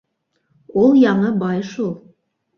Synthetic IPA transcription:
ulˠjɑɴɤbɑjʃulˠ

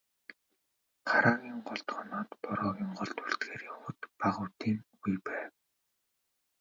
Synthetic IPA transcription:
χʰaɾaːɣʲiːŋɢɔɮt̪χɔːnɔːt̪pɔɾɔːɣʲiːŋɢɔɮt̪uɮt̪ɡeːɾiːʊxʊːt̪paʁʊːwt̪iːŋɡujpæːw

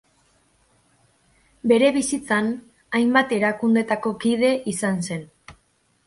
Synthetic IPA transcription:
be̞ɾe̞βisit͡san | ajmbat̪e̞ɾakund̪e̞t̪ako̞kið̞e̞ʔisanse̞n

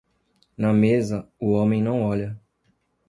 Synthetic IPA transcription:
nɐmezɐʊõmẽj̃nɐ̃w̃ɔʎɐ

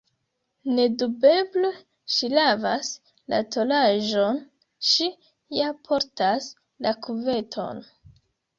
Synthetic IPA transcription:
ne̞dube̞ble | ʃilavas | la̰to̞laʒo̞n | ʃi | japʰo̞ɾtas | lakuve̞tʰo̞̰n

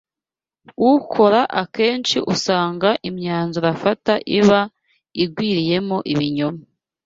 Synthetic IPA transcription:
ukʰo̞ɾaʔake̞ːnt͡ʃiʔusaːŋɡaʔimɲaːnzuɾafataʔiβa | iɡwiːɾije̞mo̞ʔiβiɲoma

